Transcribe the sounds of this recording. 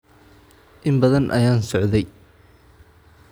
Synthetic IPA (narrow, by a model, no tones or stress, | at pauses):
ʔɪmbɐðɐnʔɐ̰jaːnsɔʕðɛj